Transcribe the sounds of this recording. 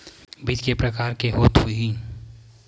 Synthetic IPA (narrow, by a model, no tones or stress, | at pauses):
bɪd͡ʒkepɾəkaːɾkeɦoːt̪ɦuiɦĩ